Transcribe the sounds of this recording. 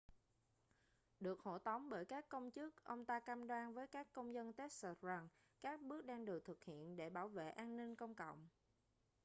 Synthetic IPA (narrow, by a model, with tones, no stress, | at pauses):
ɗɨ˨˩ək̚ho̰˧˩t̪ə˨˦wŋ͡mɓəː˧˩jkaː˦˥kːə˧wŋ͡mt͡ɕɨ˦˥k̚ʔə˧wŋ͡mt̪aː˧ka˧mɗwaː˧nvəː˨˦jkaː˦˥kːə˧wŋ͡mzə˧nt̪ɛ˦˥t̚sə˧˩za˧˩ŋ | kaː˦˥k̚ɓɨ˦˥ək̚ɗaː˧ŋɗɨ˨˩ət̪ʰɨ˨˩k̚hḭ˧˨ənɗe˧˩ɓaː˧˩wvḛ˧˨ʔaː˧nni˧nkə˧wŋ͡mkɔ̰˧˨wŋ͡m